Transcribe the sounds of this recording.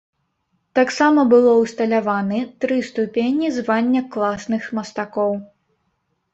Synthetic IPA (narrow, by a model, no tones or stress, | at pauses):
t̪aksamɐbɨlˠɔwst̪ɐlʲavanɨt̪ɾɨst̪upʲenʲizvanʲːɐklˠasnɨxmɐst̪akɔw